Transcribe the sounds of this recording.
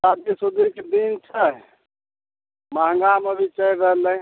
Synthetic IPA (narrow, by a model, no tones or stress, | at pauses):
sad̪̚kesud̪iɾked̪int͡ʃʰə | maŋɡaməbʱit͡ʃəjɾəɦlə̃